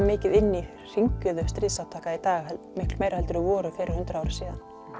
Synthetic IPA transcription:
mɪːcɪðɪnːi | r̥iɲcʏðʏst̪ɾiːðsawt̪ʰaːkait̪aːɣɛ | mɪhklmeːjɾhɛlt̪ʏɾʏvɔːɾʏfɪːɾʔɪɾ̥hʏnt̪ɾaaːwɾɪ̥siːðan

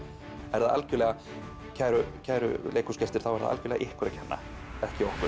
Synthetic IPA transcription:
ɛɾðaða̰lcʏɾlɛːɣa | cʰaːjɾʏcʰajɾʏ̰leːkuscɛst̪ɪɾ̥θawvɛɾða̰a̰lcʏlɛ̰ɣaʔɪhkʰvɛɾacʰɛnːa̰ | ɛhcɪɔhkʏ

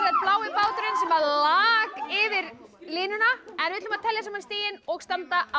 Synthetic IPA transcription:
ɾat̪plaːwɪpaːwt̪ʏɾɪnsɛmvaðlaːkɪvɪɾlɪːnʏnaɛnvɪt̪lʏmaðt̪ʰɛljasaːmːanst̪ɪːjɪnɔɣst̪ant̪aʔa

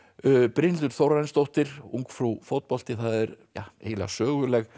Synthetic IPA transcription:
pɾɪnʏɾ̥θowɾranst̪owht̪ɪɾ̥uŋkfɾufowt̪̚pɔlt̪ɪθaðɛɾja̰ḛːjla̰sœːɣʏlɛɣ

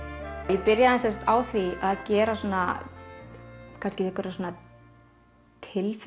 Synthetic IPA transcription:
jɛpɪɾjaðɛnsɛns̬t̪aːwθiaðcɛːɾasɔːna | kʰanscɪɛhkʏɾasoːna | t̪ʰɪlf

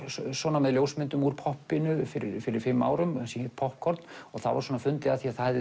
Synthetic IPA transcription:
swɔːnamɛðljowsmɪnt̪ʏmuɾpʰɔhpːɪnʏfɪɾɪɾfɪɾɪɾ̥fɪmːa̰ːwɾʏmsihɛt̪pʰɔhp̚kʰɔɾt̪nɔɣθa̰ðva̰swɔːnafʏnt̪lɪaθiaθað

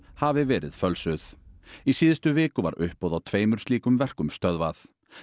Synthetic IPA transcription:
havɪvɛːɾɪ̰ðfœlsʏðisiːðɪst̪ʏvɪːkʏva̰ɾʏhpɔwðawt̪ʰveːjmʏɾ̥st̪iːkʏmvɛr̥kʏmst̪œðvaθ

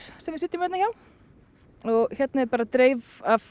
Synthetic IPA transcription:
sɛmvɪsɪːt̪ːɪmvɛt̪nçaw | ɔɣçɛt̪naɛpaːɾat̪ɾeːjvav

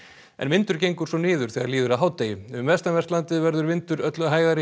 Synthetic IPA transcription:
ɛ̰nvɪnt̪ʏɾ̥cejŋkʏɾ̥svɔnɪːðʏɾ̥θɛːɣðaɾliːðʏɾaðɦaːwt̪eːjʏʏmvɛst̪amvɛst̪lant̪ɪvɛɾðʏɾvɪnt̪ʏɾœt̪lʏɦaːjɣaɾɪ

